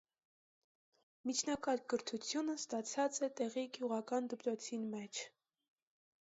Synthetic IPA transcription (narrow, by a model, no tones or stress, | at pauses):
mit͡ʃʰnɑkɑɾɡəɾt̪ʰut͡sʰjunəst̪ɑt͡sʰɑt͡sɛt̪ɛʁiɡjuʁɑkɑnd̪əpɾɔt͡sʰinmɛt͡ʃʰ